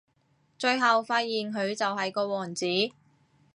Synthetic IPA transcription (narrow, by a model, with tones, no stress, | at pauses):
t͡ʃɵ˧ɥɦɐ˨wfaː˧t̚jiː˨˩nkʰɵ˨˧ɥt͡sɐ˨wɦɐ˨jkɔː˧wɔː˨˩nt͡siː˨˥